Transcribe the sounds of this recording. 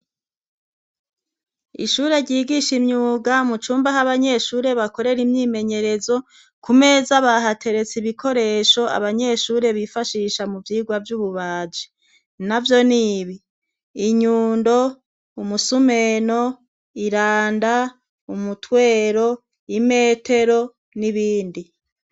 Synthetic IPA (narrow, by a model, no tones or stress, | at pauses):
ḭʃuːɾe̞ɾɟiːɡiʃimɲuːɡamut͡ʃuːmbaɦaβaɲe̞ʃuːɾe̞βako̞ɾe̞ɾimɲiːme̞ɲe̞ɾe̞zo̞ | kume̞zaβaɦatʰe̞ɾe̞t͡siβikʰo̞ɾe̞ːʃo̞a̰βaɲe̞ʃuːɾe̞βifaʃiːʃamuvjiːɡwavjuːβuβaːd͡ʒe̥ | navjo̞niβiː | ɲuːndo̞ | umusume̞no̞ | iɾaːnda | umutwe̞ːɾo̞ | ime̞ːtʰe̞ɾo̞ | niβiːndi